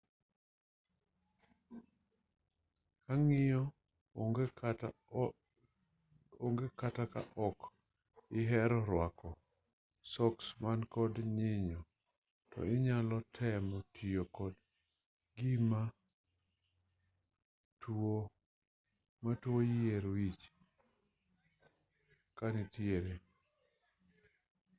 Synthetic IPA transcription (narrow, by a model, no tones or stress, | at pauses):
kaŋɪjɔ | ɡ | oŋɡekataka̰ʔɔk | ɪɦɛɾɔɾwakɔ | sɔksmankɔdɲɪɲɔ | tɔ̰ɪɲalɔtʰɛmɔtʰijokɔd | ɡima | two | matwojieɾwit͡ʃ | kanitjeɾe